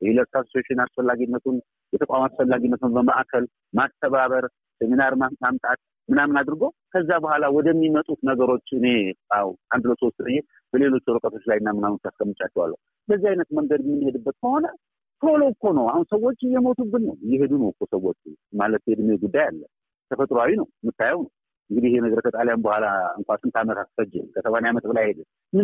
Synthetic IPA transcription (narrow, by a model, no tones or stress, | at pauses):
jɛhiləɾkasot͡ʃeʃɪnasfəlːaɡinːət̪ʰun | jɛt̪ʰəkʼamasfəlːaɡinːət̪unbəma̰ʔkʰəl | mast̪ʰəβaβəɾ | seminaɾmamt̪ʼat̪̚ | mɨnamɨnad̪ɨɾɨɡow | kʰəzːabəhʷalawɔd̪əmːimət̪ʼut̪nəɡəɾo̞t͡ʃːɨne̞awʔand̪ləso̞st̪ɾəje | b̥əle̞lo̞t͡ʃːɛɾɨkʼət̪ʰo̞t͡ʃːlajnːamɨnanut̪t͡ʃːaskʼəmːɨt͡ʃʼat͡ʃːɛwa̰lːə̰hu | bəzːihajnət̪məŋɡəd̪ɛmːɨnːɨhe̞d̪ɨbːət̪̚kʰəho̞nə | t̪ʰolokːo̞nəwahunsəwːo̞t͡ʃʼːɪjːɛmo̞t̪ʰuɡɨnnə̰wjɛɦe̞d̪unəwkːosəwːot͡ʃʼːmalət̪hed̪ɨmːjɛɡud̪ːajalːə | t̪ʰəfət̪ʼɾoawinəwmɨt̪ːajɛwnəw | ʔɨŋɡɨd̪ihɪhenəɡəɾkʰət̪ʼaljanbəhʷalaɨŋkʷasɨnt̪ʰamət̪ʰat̪fəd͡ʒːɛ̰kʰəsəβanjamət̪bəlajhe̞d̪ɨn | mɨ